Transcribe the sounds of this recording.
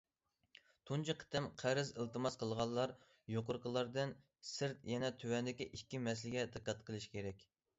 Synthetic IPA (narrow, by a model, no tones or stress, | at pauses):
t̪ʰunt͡ʃʰɨqʰə̥t̪ɪmqʰæɾɪzəlˠt̪ɨmɑsqʰəlˠʁɑlˠːɑɾ | joqʊɾqəlˠɑɾd̪ɨn | sɨɾt̪jɛnɛt̪ʰøwɛnd̪ɪkʲiʔikʲːimɛs̬lɪɡʲɛd̪ɨqːɑt̪qʰəlˠɨʃkʲʰeɾɛkʲ